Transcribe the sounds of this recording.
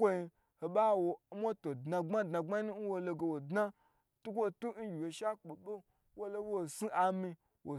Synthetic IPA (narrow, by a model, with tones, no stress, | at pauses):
kʷo˦i˧ | ho˨ɓa˦wo˨˦mo˦to˨dna˧ŋ͡ma˦dna˨ɡ͡ba˦i˦nu˦n̩˦wo˧lo˧ɡe˨wo˨dna˦ | tu˦kʷo˦tu˦n̩˦ɡʲi˨wo˨ʃa˦k͡po˨ɓo˦ | wo˦lo˦wo˨si˦ʔa˨mi˧ | wo˨